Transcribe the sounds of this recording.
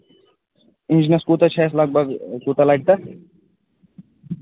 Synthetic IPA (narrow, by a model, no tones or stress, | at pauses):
ind͡ʒinɐskut̪ɐt͡ʃʰɛːslɐɡ̚bʱɐɡkuːt̪ɐlajʈ̚t̪ɐ